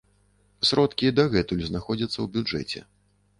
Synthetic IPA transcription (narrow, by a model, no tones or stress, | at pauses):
sɾɔt̪kʲid̪aɣɛt̪ulʲznaxɔd͡zʲɐt̪sːɐwbʲud͡ʐɛ̰t͡sʲɛ̰